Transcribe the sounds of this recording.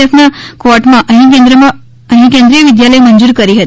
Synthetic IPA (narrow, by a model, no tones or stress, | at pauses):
əfnakoɾʈmãʔəɦĩk̬ẽnd̪ɾəmã | əɦĩkẽnd̪ɾijəʋɪd̪jaləemənd͡ʒuɾkəɾiɦət̪